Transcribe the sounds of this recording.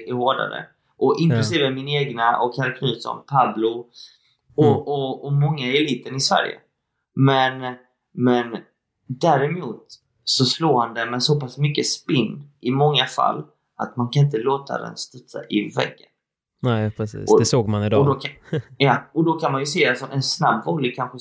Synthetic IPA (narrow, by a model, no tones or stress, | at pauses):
ɛhoːɖa̰ɾə̰ | ʔɔʔɪnŋkklɵsiːvəmɪneːɡnaʔɔkʰaɾkʰnʉːsɔ̰mpʰablʊ | ɔɔɔmɔŋːaɛliːt̪ənɪsvæ̰ɾjə̰ | mɛn | mɛn | d̪æɾɛmuːt̪ | sɔsloːhand̪ɛmɛnsɔpasmʏkːəspɪnd̪ɪmɔŋːafa̰lː | at̪mankʰanɪnt̪̬əloːt̪a̰d̪ɛ̰nst̪ɵt̪sa̰ʔɪvɛ̰ɡːən | nɛpɛsḭːɔd̪ɛsoːɡ̚manɪd̪ɔd̪ɔkjɑːɔd̪ɔkʰanmanjɵseːalsɔʔɛnsnabvɔljkʰanɧə